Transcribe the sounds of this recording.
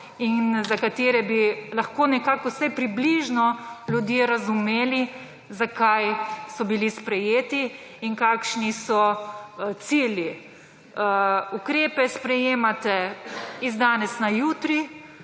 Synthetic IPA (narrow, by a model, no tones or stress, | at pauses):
inzakat̪eːɾɛbilaxkoːnɛkakɔwsɛjpɾibliʒnɔljud̪jeɾazumeːli | zakajsɔbilispɾɛjeːt̪iː | ŋkaːkʃnisɔ | t̪silji | ukɾeːpɛspɾɛjeːmat̪ɛizd̪aːnɛsnajuːt̪ɾi